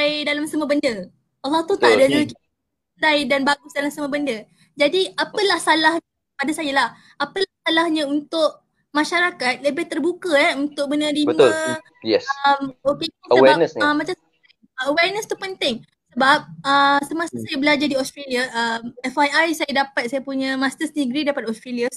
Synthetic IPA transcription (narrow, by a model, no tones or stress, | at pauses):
jdalamsəməbəndə | ʔalːˠɑht̪ut̪adaduk | sajdanbaɡʊsdalamsəməbəndə | d͡ʒadiapəlahsalahɲə | padasajalah | apəlahsalahɲəunt̪ʊʔ | maʃaɾakat̪̚ləbeht̪ərbukəɛunt̪ʊk̚bənadibəml | jɛsəmokeiəəwɛbanəsəmat͡ʃamsa | əwɛrnəst̪upənt̪ɪŋ | səbap̚əsəmasəsajabəlad͡ʒadiɔst̪ɾeliaʔəmɛfajajsajadapat̪̚sajapuɲəmast̪əsnĩɡɾidapat̪ɔst̪ɾelias